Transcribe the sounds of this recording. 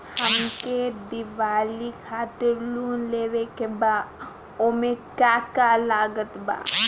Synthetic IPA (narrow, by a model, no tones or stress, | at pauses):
həmked̪ɪʋaːlikʰaːt̪ɪɾluːnleːwekebaː | omẽkaːkalaːɡət̪ba̰ː